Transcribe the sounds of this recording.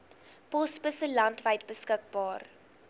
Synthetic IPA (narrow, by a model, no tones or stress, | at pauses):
pɔspəsəlɐntvəjtbəskək̚bɑːr